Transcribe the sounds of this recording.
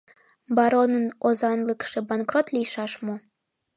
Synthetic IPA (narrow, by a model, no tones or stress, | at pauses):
bɑɾonənozɑnləkʃebɑnkrot̪lʲijʃɑʃmo